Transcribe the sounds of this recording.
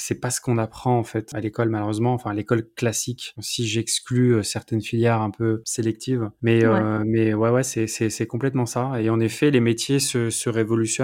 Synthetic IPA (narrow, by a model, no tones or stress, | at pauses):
sɛpasə̥kɔ̃napχɑ̃ɑ̃fɛt̪alekɔlmaløʁøzmɑ̃ːfɛ̃alekɔlklasiksiʒɛksklyøsɛʁt̪ɛnfiljɛʁɛ̃pøselɛk̚t̪ʰivmɛømɛwɛwɛsɛsɛsɛkɔ̃plɛt̪mɑ̃saeɑ̃nefɛlemet̪jesəsəʁevɔlysjɔ